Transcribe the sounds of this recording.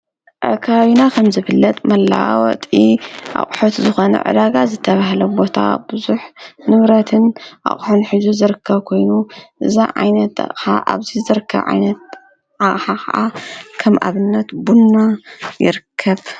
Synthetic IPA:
kʰaβaβinakʰɐmzɨβɨlːɐt̪ʼmɐlːa̰wɔ̰t̪ʼiʔa̰χʼħot̪zɨxo̞nɐ̰ʕɨ̰d̪aɡazɨt̪ʰːɐβaɦlɐbo̞t̪ʰa̰bɨzuħnɨβɾɐt̪ʰɨnʔa̰χʼħunħizuzɨɾɨkʰːɐβkʰo̞jnuʔɨzaʕa̰jnɐt̪a̰ʔʼħa̰ʔa̰βzizɨɾɨkʰːɐ̰βʕa̰jnɐt̪̚ | ʕaʔʼħakʰɐ̰ʔakʰɐmʔa̰βɨnːɐt̪bunːajɪ̰ɾɨkʰːɐβ

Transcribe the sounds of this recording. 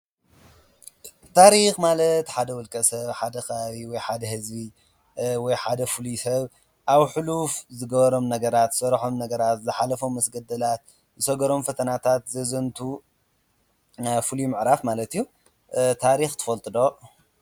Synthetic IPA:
t̪ʰaɾixmalɐt̪ħad̪ɐwʊlkʼɐsɐβħad̪ɐxɐβaβiwɔjħad̪ɐhɨzbi | wɔjħad̪ɐfulisɐβ | ʔaβħɨlufzɨɡɐβɐɾo̞mnɐɡɐɾat̪sɐɾħo̞mnɐɡɐɾat̪zɨħalɐfo̞mːɐsɡɐd̪ɐlat̪̚ | zɨsɐɡɐɾo̞mfɐt̪ʰɐnat̪ʰat̪zɐzɐnt̪ʰu | fɨlimɨʕɾafmalɐt̪ijːu | t̪ʰaɾixt̪ʰɨ̥fɐlt̪ʼɨd̪o̞

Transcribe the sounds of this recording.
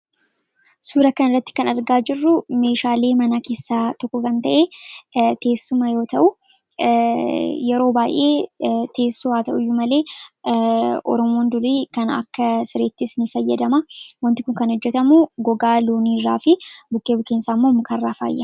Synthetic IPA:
suːɾɐkɐnɪrːɐt̪ːɪ̥kɐnɐɾɡaːd͡ʒɪrːʊme̞ːʃaːle̞ːmɐnake̞ːsːaːt̪ɔkːɔkɐnt̪ɐʔeːt̪e̞ːsːʊmɐjo̞ːt̪ɐʔʊ | jɛɾo̞ːbaːjʔe̞̰ːt̪ʰe̞ːsːʊwaːt̪ɐʔʊjːʊmɐle̞ː | ʔɔ̰ɾɔmo̞ːnd̪ʊɾiːkɐnɐ̰kːɐsɪɾe̞ːt̪ːɪsnɪfɐjːɐd̪ɐmɐwɐnt̪ɪkʊŋkɐnhɔd͡ʒːɛt̪ɐmuɡɔɡaːloːniːrːa̰ːfɪbʊkːeːbʊkːeːnsaːmːomʊkɐrːaːfa̰ːjːɐ

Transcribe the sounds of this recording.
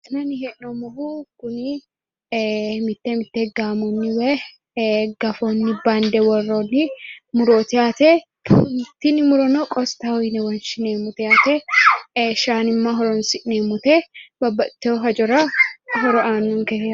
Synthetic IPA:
nɐnɪhɛʔnɔmɔɦukʊnɪ | mɪt̪ːɛmɪt̪ːɛɡaːmɔnːɪwɛ | ɡɐfɔnːɪbaːnd̪ɛwɔrːonːɪmʊɾoːt̪ɪjaːt̪ɛ | t̪ːɪnɪmʊɾɔnokʼɔst̪ɐhɔjnɛwɐnʃɪneːmːʊt̪ɛjaːt̪ɛ | ʃaːnɪmːaɦɔɾɔnsɪʔneːmʊt̪ɛbɐbːɐt̪ːɛɔɦɐd͡ʒɔɾɐɦɔɾɔʔaːnːuŋkɛ

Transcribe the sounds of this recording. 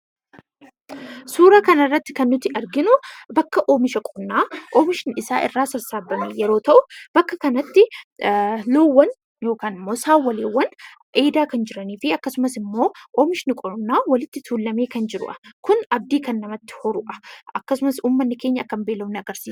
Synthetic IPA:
suːɾɐkɐnɐrːɐt̪ːɪ̥kɐnːʊt̪ːɪʔɐɾɡɪnʊbɐkːɐʔoːmɪʃɐkʼɔbnːaːʔoːmɪʃɪnɪsaːʔɪ̰rːaːsɐɾsaːbːɐmeːjɛɾo̞ːt̪ɐʔʊb̥ɐkːɐkɐnɐt̪ːɪ | loːwːɐn | jo̞ːkaːnɪmːo̞ːsaːwːɐleːwːɐn | ʔe̞ːd̪aːkɐnd͡ʒɪɾɐniːfɪɐkːɐsʊmɐsɪmːo̞ːʔomɪʃɪnɪkʼɔɾnːaːwɐlɪt̪ːɪt̪ʰuːlːɐme̞ːkɐnd͡ʒɪɾʊ̰ʔɐ̥kʊnɐb̚d̪iːkɐnːɐmɐt̪ːɪ̥hɔɾʊʔɐ̥ʔɐkːɐsʊmɐsuːmːɐnːɪke̞ːɲːɐɐkːɐmbeːlɐmnɪɐɡɐɾsiːs

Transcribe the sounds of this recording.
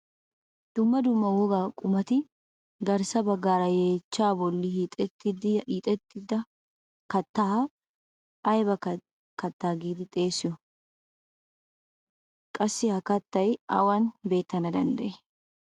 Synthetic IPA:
d̪̥ʊmːɐd̪ʊmːɐwɔɡaːkʼʊmɐt̪ɪ | ɡɐɾsɐbɐɡːaːɾɐjeːt͡ʃːaːbɔlːɪhit̪ʼɛt̪ːɪd̪iːt̪ʼɛt̪ːɪd̪ɐ | kɐt̪ːahɐ | ɐjbɐ | kɐt̪ːaːɡiːd̪ɪt̪ʼe̞ːsɪjɔ | kʼɐsːɪhɐkɐt̪ːɐjɐ̰wanbe̞ːt̪ːɐnɐd̪ɐnd̪ɐʔe

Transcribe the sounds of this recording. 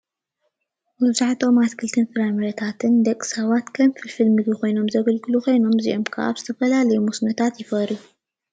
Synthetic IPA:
mɨzaħt̪ʰo̞mat̪kʰɨlt̪ʰɨnfɨɾamɐɾɐt̪ʰat̪ʰɨnd̪ɐkʼɨ̥sɐβat̪kʰɐmfɨlfɨlmɨɡiko̞jno̞mzɐɡɐlɡɨluko̞jno̞mziʔo̞mkʰɐʔa̰βzɨt̪ʰɐfɐlalɐjumusnɐt̪ʰat̪jɪfɐɾju

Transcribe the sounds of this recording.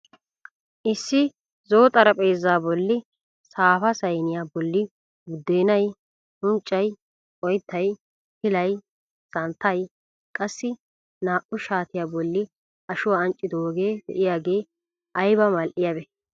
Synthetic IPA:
ʔɪsːɪ | zo̞ːt̪ʼɐɾɐpʼe̞ːzːaːbɔlːɪ | saːfɐsɐjnɪjaːbɔlːɪ | ɡʊd̪ːe̞ːnɐj | hʊnt͡ʃʼːɐj | ɔjt̪ʰːɐj | hɪlɐj | sɐnt̪ːɐj | kʼɐsːɪ | naːʔʊʃaːt̪ɪjaːbɔlːɪ | ɐʃʊwaːɐnt͡ʃʼːɪd̪ɔoɡe̞ːd̪ɛ̰ʔɪjaːɡe̞ː | ʔɐjbɐmɐlʔɪjabɛ

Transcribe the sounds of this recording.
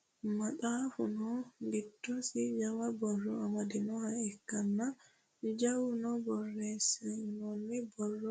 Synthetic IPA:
maɗafunɔŋɡitːɔsid͡ʒawabɔrɔamadinɔhaɛkːanːa | d͡ʒawunɔbɔrːɛsɛnɔnːɛbɔrːɔ

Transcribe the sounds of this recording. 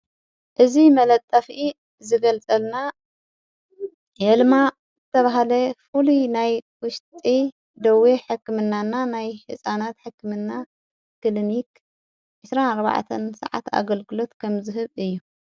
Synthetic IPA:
ʔɨzimɐlɐt̪ʼːɐfʔi | zɨɡɐlt͡sʼɐlna | jɐlma | zɨt̪ʰɐβaɦalɐfulunajwʊʃt̪ʼi | d̪ɐweħɨkːɨmɨnːanːanajħɨsʼanat̪ħɨkːɨmɨnːa | kɨlinik | ʕɨsɾanaɾβa̰ʕt̪ʰɐnsɐ̰ʕa̰t̪a̰ɡɐlɡɨlo̞t̪kʰɐmzɨɦɨβɨjːu

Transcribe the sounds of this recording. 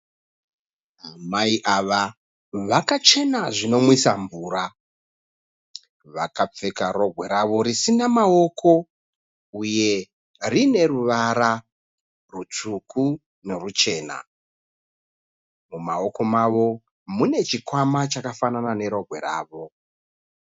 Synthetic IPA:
amaiʔaʋa | ʋakat͡ʃe̞naʐino̞mwisaɱvuːɾa | ʋakap͡fe̞kaɾo̞ɡʱwe̞ɾaʋo̞ɾisinamao̞kʰo̞ | uje̞ | rine̞ruʋaɾa | rut͡ʂuku | ne̞rut͡ʃe̞ːna̰ | mumao̞ko̞maʋo̞ | mune̞t͡ʃikwamat͡ʃakafananane̞ɾo̞ɡʱwe̞̰ɾa̰ːʋo̞

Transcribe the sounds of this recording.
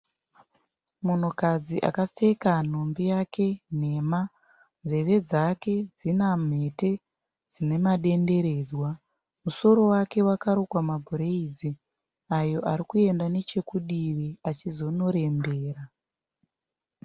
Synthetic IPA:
mun̤ukad͡ziʔa̰kafe̞kan̤o̞mbijakʰe̞n̤e̞ma | nze̞ʋe̞d͡zake̞d͡zinam̤e̞te̞ | d͡zine̞maɗe̞nde̞ɾe̞ːd͡zwa | muso̞ɾo̞wake̞wakaɾokwamabʱuɾeid͡zi | ajo̞ʔaɾikue̞ndane̞t͡ʃe̞kuɗiʋeat͡ʃizo̞no̞ɾe̞mbe̞ːra

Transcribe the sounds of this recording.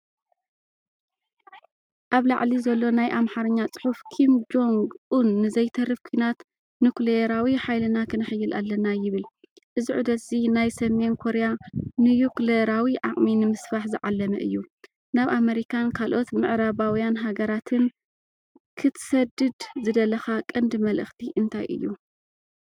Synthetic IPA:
ʔaβlaʕlizɐlːo̞najʔamħaɾɐɲːat͡sʼɨ̥ħufkʰimd͡ʒo̞ŋɡʔunːɨzɐjt̪ʰɐrɨfkʰujnat̪ | nuklejɾawiħajlɨnakʰɨnɨħɨjːɨlʔa̰lːɐnajɪβɨl | ʔɨziʕud̪ɐt̪z̥inajsɐme̞nkʰo̞ɾejanɨjukleɾawiʕa̰χʼminɨmɨsfaħzɨʕalːɐmɐ̰ʔɨ̰jːu | naβʔameɾikʰankʰalʔo̞t̪mɨʕɾaβawijanɦaɡɐɾat̪ʰɨn | kʰɨt̪ʰɨ̥sɐd̪ɨd̪zɨd̪ɐlɐxakʼɨnd̪ɨmɐlʔɨ̰xt̪ʰiʔɨnt̪ʰajʔɨ̰jːu

